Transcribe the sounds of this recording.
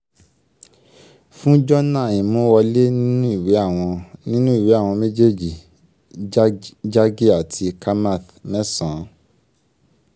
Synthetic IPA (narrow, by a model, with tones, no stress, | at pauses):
fũ˦d͡ʒɔ˦nã˦˨ĩ˨mũ˨˦wɔ˧le˦nĩ˦nũ˦i˦˨we˨˦a˦˨w̃ɔ̃˧nĩ˦nũ˦i˦˨we˨˦a˦˨w̃ɔ̃˧me˦d͡ʒe˦d͡ʒi˨ | d͡ʒa˦ɡi˦a˨tʰi˧ka˦ma˦˨θ | mɛ̃˦sã˨˦